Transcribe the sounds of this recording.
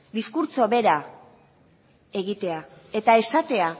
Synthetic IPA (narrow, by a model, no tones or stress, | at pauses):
d̪iskuɾt͡so̞βe̞ɾa | e̞ɣit̪e̞ae̞t̪ae̞sat̪e̞a